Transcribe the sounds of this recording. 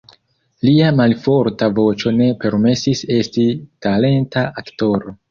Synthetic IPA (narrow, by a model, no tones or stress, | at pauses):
liamalfo̞ɾtavo̞t͡ʃo̞ne̞pe̞ɾme̞sise̞stitale̞ntaʔakto̞ɾo̞